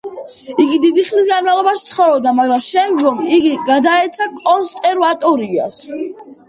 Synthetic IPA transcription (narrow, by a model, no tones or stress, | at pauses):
iɡid̪id̪iχlis̬ɡanmalˠɔbaʃt̪sʰχɔɾɔbd̪amaɡɾamʃɛmd̪ɡɔmiɡiɡad̪aɛt̪sʰakʼɔnst̪ʼɛɾvat̪ʼɔɾia̰s